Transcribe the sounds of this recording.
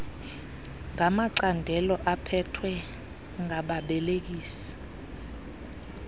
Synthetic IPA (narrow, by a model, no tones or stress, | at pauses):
ŋamaǀandʱɛlɔʔapʰɛtʰwɛ | ŋʱaɓaɓɛlek̬iːsḁ